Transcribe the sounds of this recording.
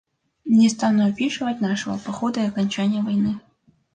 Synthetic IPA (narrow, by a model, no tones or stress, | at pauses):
nʲɛst̪anuɐpʲiʂɨvɐt̚ʲnaʂɨvɐ̰pɐxɔd̪ɐiɐkɐnʲt͡ɕanʲɪjɐvɐjnɨ